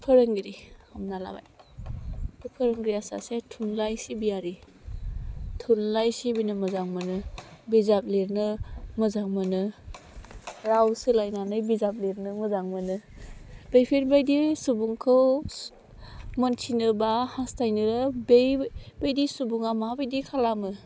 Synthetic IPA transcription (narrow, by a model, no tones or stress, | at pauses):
pʰɯɾɯŋɡɾiamnala̰ba̰j | ɯpʰɯɾɯŋɡɾiasa̰setʰunlajsibijaɾi | tʰunlajsibinɯmɯzaŋmɯnɯbizap̚leɾnɯmɯzaŋmɯnɯ | ɾawsɯlajnanɯjbizap̚liɾnɯmɯzaŋmɯnɯ | b̥ejpʰiɾbejdisubuŋkʰɯw | mɔntʰinɯbahastajnɯɾɯbejb̥ejdisubuŋamabejdikʰalamɯ